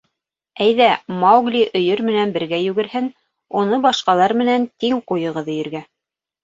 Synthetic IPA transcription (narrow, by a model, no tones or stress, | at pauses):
æjðæmɑwɡlʲiʔɵ̆jɵɾmɘ̆nænbɘ̆ɾɡæjʉɡɘ̆ɾhɘn | unɤbɑʃqɑlˠɑɾmɘ̆nænt̪iŋqujɤ̆ʁɤðɤ̆jɵ̆ɾɡæ